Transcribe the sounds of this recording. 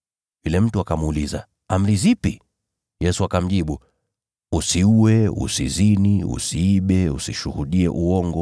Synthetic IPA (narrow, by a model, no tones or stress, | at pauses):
vilɛm̩tuakamuːliza̰ | am̩ɾizipi | jɛsuakam̩ʄiɓu | usiuwɛṵsiziniṵsiiɓɛusiʃuhuɗiɛ̰ʔuɔŋɡɔ